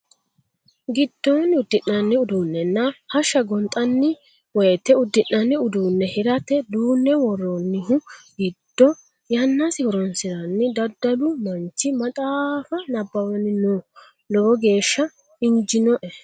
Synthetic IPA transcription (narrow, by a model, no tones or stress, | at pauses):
ɡɪd̪ːɔnʊd̪ːɪnːɐnːɪʊd̪uːnːɛnːɐhɐʃːɐɡɔnt̪ʼɐnːɪ | wɔjɛt̪ːɛʊd̪ːɪnːɐnːɪʊd̪uːnːɛhɪɾɐt̪ɛd̪uːnːɛwɔrːɔnːɪɦʊɡɪd̪̥ːɔ | jɐnːasɪhɔɾɔnsɪɾɐnːɪd̪ɐd̪ːɐlʊmɐnt͡ʃːɪmɐt̪ʼaːfɐnɐbːɐwɐnɪno | lɔɡɔɡe̞ːʃːɐ | ɪɲd͡ʒɪnɔʔɛ